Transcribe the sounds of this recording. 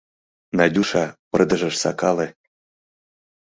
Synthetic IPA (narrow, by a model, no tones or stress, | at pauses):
nɑdʲuʃɑpɤ̆rd̪ɤ̆ʒɤ̆ʃsɑ̰kɑlĕ